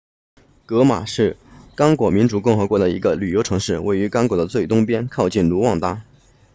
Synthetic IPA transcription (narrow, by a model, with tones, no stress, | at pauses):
kɤ˧˥ma̰˨˩ʂɻ̩˥˩kɑ˥ŋkwɔ˨˩mi˧˥nʈ͡ʂu˨˩kʊ˥˩ŋxɤ˧˥kwɔ˧˥d̪ə˧i˧˥ɡə˧ly˨˩jo˧˥ʊʈ͡ʂʰɤ˧˥ŋʂɻ̩˥˩wʔe˥˩ɪy˧˥kɑ˥ŋkwɔ˨˩d̪ə˦t͡swe˥˩ɪt̪ʊ˥ŋpjɛ˥nkʰɑ˥˧ʊt͡ɕi˥˩nlu˧˥wɑ˥˧ŋt̪a˥